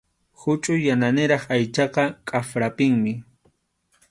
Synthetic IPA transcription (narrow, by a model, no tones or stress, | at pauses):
hʊt͡ʃʼʊjananɪɾɑχajt͡ʃɑqɑkʼafɾapɪŋmɪ